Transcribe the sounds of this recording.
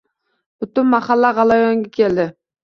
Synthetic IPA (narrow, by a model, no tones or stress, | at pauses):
bʊt̪ʊnmɑχɑlːaʁɑlˠɑjɒŋɡʲakʲʰeld̪ɪ